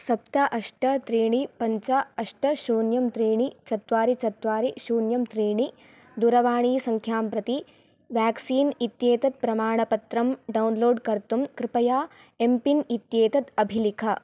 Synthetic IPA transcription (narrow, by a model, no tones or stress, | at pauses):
sɐpt̪ɐʔɐʂʈɐt̪ɾiːɳipɐɲt͡ʃɐɐʂʈɐʃuːnjɐmt̪ɾiːɳit͡ʃɐt̪ʋaːɾit͡ʃɐt̪ʋaːɾiʃuːnjɐmt̪ɾiːɳi | d̪uɾɐʋaːɳiːsɐŋkʰjaːmpɾɐt̪i | ʋjaːksiːnit̪jeːt̪ɐt̪̚pɾɐmaːɳɐpɐt̪ɾɐmɖɐwunloːɖkɐɾt̪umkɾɪpɐjaː | empinit̪jeːt̪ɐt̪ɐbʱilikʰɐ